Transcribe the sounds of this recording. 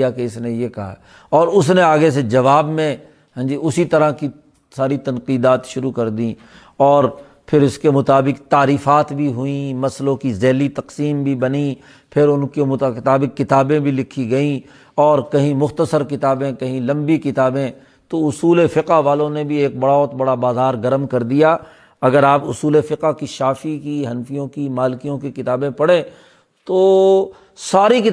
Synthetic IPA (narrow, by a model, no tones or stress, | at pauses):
akeɪsnejekɐɦaɛ | ɔːɾʊsneaːɡes̬ed͡ʒɐʋaːbmẽ | ɦɛ̃ːd͡ʒiʊsit̪ɐɾaki | saːɾit̪ɐnqiːd̪aːt̪ʃʊɾukɐɾd̪ĩ | ɔːɾ | pʰɪɾʊskemʊt̪aːbɪqt̪aːɾiːfaːt̪bʱiɦʊĩmɐslõkizɛːlit̪ɐqsiːmbʱibɐni | pʰɪɾʊnkemʊɪt̪aːbɪqːɪt̪aːbẽbʱilɪkʰːiɡɐĩ | ɔːɾkɐɦĩmʊxt̪əsəɾkɪt̪aːbẽkɐɦĩlɐ̃mbikɪt̪aːbẽ | t̪oʊsuːlefɪqaʋaːlõnebʱieːk̚bɐɽaɔːɾt̪bɐɽabaːzaːɾɡɐɾmkɐɾd̪ijaː | ɐɡəɾaːpʊsuːlefɪqakiʃaːfikiɦɐnfijõkimaːlkijõkikɪt̪aːbẽpɐɽẽ | t̪oː | saːɾikɪ